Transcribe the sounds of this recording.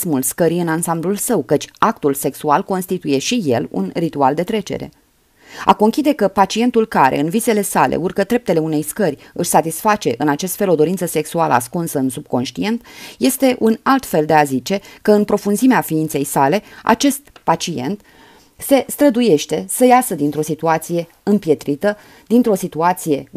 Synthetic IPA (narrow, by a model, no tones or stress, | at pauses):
smulskəɾijɨnansamblulsəwkət͡ʃʲakt̪ulse̞ksualko̞nst̪it̪uje̞ʃije̞lṵnrit̪uald̪e̞t̪ɾe̞t͡ʃe̞̰ɾe̞̰ | a̰ko̞ŋkʲid̪e̞kəpat͡ʃie̞nt̪ulkaɾe̞̰ɨnvise̞le̞salḛurkəd̪ɾe̞p̚t̪e̞le̞une̞jskərʲɨʃʲsat̪isfat͡ʃe̞ʔɨnat͡ʃe̞st̪felo̞d̪o̞ɾint̪səse̞ksualə̰askunsəɨnsub̚ko̞nʃt̪ie̞nt̪je̞st̪e̞ʔunalt̪fe̞ld̪e̞azit͡ʃe̞kəɨnpɾo̞funzimeafiint̪se̞jsale̞a̰t͡ʃe̞st̪pat͡ʃie̞̰nt̪ | se̞st̪ɾəd̪uje̞ʃt̪e̞səjasəd̪int̪ɾo̞sit̪uat̪sije̞ | ɨmpje̞t̪ɾit̪ə | d̪int̪ɾo̞sit̪uat̪sije̞